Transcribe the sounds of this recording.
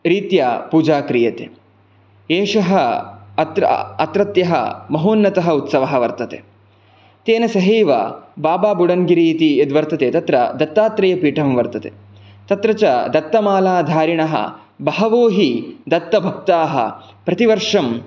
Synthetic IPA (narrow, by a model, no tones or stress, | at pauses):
ɾiːt̪japuːd͡ʒaːkɾijɐt̪ḛː | eːʂɐɦɐɐt̪ɾɐ̰ɐt̪ɾɐt̪jɐɦɐ̰mɐɦoːnːɐt̪ɐɦɐut̪sɐʋɐɦɐʋɐɾt̪ɐt̪ḛː | t̪eːnɐsɐɦeːʋɐ̰baːbaːbuɽɐnɡiɾiːt̪ied̪ʋɐɾt̪ɐt̪eːt̪ɐt̪ɾɐ̰d̪ɐt̪ːaːt̪ɾɐjɐpiːʈʰɐmʋɐɾt̪ɐt̪ḛ | t̪ɐt̪ɾɐt͡ʃɐd̪ɐt̪ːɐmaːlaːd̪ʱaːɾiɳɐɦɐ̰ | bɐɦɐʋoːɦid̪ɐt̪ːɐbʱɐk̚t̪aːɦɐ̰ | pɾɐt̪iʋɐɾʂɐm